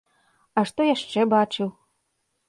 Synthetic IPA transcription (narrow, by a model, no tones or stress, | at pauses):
ɐʂt̪ɔjaʂt͡ʂɛbat͡ʂɨw